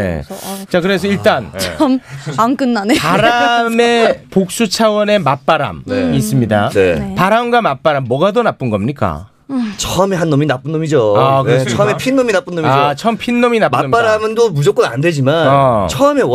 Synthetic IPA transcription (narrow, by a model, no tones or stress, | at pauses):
ḛt͡ɕakɯɾe̞sʰʌiɭt͈an̰ʰmaŋk͈ɯnːanepaɾame̞pok̚s͈ut͡ɕʰawʌne̞map͈aɾa̰mis͈ɯmɲida̰nepaɾamɡwamap͈aɾamːwʌɡadonap͈ɯnɡʌmɲik͈a̰ | t͡ɕʰʌʌmeɦanːominap͈ɯnːomid͡ʑoakɾʌsɯʌmepʰinːominap͈unːomiat͡ɕʰʌʌmpʰinːominapmap͈aɾamɯndomud͡ʑʌk͈ʌnandwed͡ʑimanat͡ɕʰʌʌme̞